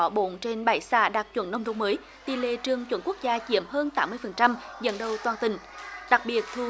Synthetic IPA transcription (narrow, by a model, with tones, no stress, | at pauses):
ɔ˧˩ɓo̰˧˨nt͡ɕe˧nɓaː˧˩jsa̰ː˧˩ɗaː˨˩k̚t͡ɕwə̰˧˥nːə˧wŋ͡mɗo˨˧˦wŋ͡mməː˨˦j | t̪i˧˨˩lḛ˧˨t͡ɕɨ˨˩əŋt͡ɕwə˧˥nku˦˥ək̚zaː˧t͡ɕi˧˩əmɦəː˧nt̪aː˨˦mːɨ˧əjfə˨˩nt͡ɕa˧mzə̰˧˨nɗə˨˧˩wt̪waː˨˩nt̪ï˨˩ŋ̟ɗa˨˩k̚ɓi˨˩ət̚t̪ʰu˧